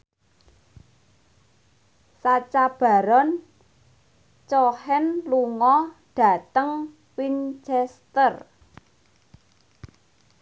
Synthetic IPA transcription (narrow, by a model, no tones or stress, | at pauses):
sat͡ʃab̥a̤ɾɔn | t͡ʃɔhɛnluŋɔɖ̥a̤t̪əŋ | wint͡ʃɛst̪ər